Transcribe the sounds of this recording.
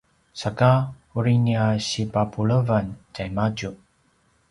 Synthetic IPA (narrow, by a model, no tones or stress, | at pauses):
saka | uɾiniaɕipapuləvantajmad͡ʒu